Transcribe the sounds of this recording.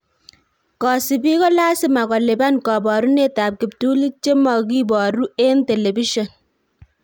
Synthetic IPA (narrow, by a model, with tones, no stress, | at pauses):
kɔ˨si˨bi˦kɔ˦laː˦sɪ˦ma˨kɔ˨le˨ba˦nkɔ˨bɔ˨ɾu˦ne˦ta˨p̚ki˨p̚tu˦li˦t͡ʃe˦mɔ˨k̬i˦bɔ˨ɾu˦e˦nte˨le˨bi˦ʃɔ˨n